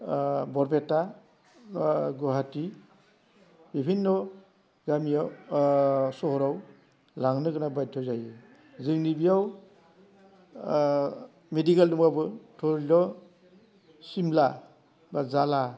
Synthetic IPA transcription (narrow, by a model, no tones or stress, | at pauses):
bɔɾbetːa | ɡɔɦati | bibʰʱinːɔ | ɡamijaw | sɔɦɔɾaw | laŋnɯkɯnabajtʰɔzajɯ | zɯŋnibijaw | medikaldumabɯtʰɔɾdɔ | simla | bazala